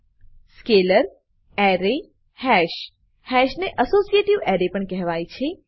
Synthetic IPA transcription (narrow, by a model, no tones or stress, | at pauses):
skeləɾ | ɛɾe | hɛʃ | hɛʃneʔəsosijeʈiʋɛɾepəɳkɛɦʋajt͡ʃʰe